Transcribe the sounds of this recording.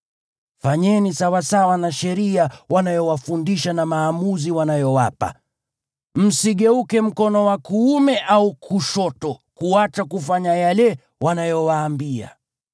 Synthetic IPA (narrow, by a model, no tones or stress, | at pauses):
faɲɛnisawasawanaʃɛɾiawanajɔwafundiʃanamaːmuziwanajɔwapa̰ | m̩siɠɛukɛm̩kɔnɔwakuːmɛʔaukʰuʃɔtɔkuat͡ʃakufaɲajalɛ | wanajɔwaːmbia̰